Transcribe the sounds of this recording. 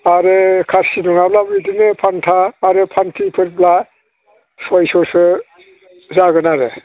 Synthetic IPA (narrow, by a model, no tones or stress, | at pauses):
aɾekʰaɾsinɔnablabidinepʰantʰaːɾepʰantʰipʰɯɾbla | sɔjsɔsɯ | zaɡɯnaɾɯ̰